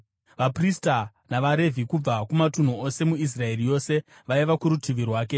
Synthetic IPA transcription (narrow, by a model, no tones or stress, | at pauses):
ʋaprista | naʋaɾe̞vikub͡vakumatun̤uo̞se̞muis̬rae̞rijo̞ːse̞ | ʋaiʋakuɾutʰiʋirwaːke